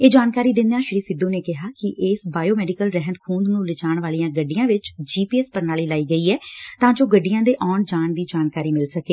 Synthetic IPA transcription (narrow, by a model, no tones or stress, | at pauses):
eːd͡ʒaːnkaːɾiːd̪ɪnd̪ãːʃɾiːsɪd̪õːneːkɪɦaːkɪʔeːsbaːjoːmɛːɖɪikəlɾɛɦənd̪kʰũːnd̪nũːlɪt͡ʃaːɳʋaːlijãːɡəɖːijãːʋɪt͡ʃd͡ʒiːpiːɛːspəɾnaːliːlaːiːɡəiːɛːt̪ãːd͡ʒoːɡəɖɪjãːd̪eːʔɔːɳd͡ʒaːnd̪iːd͡ʒaːnkaːɾiːmɪlsəkeː